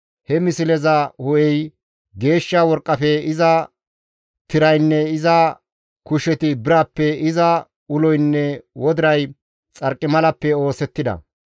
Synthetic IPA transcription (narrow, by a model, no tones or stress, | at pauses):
hɛmɪsɪlɛzɐhɔʔɛj | ɡe̞ːʃːawɔɾkʼːɐfɛɪzɐ | t̪ɪɾɐjnːɛɪzɐ | kʊʃɛt̪ɪbɪɾaːpːɛɪzɐ | ʊlɔjnːɛwɔd̪ɪɾɐj | t͡sʼɐɾkʼːɪmɐlɐpːɛo̞ːsɛt̪ːɪd̪ɐ̰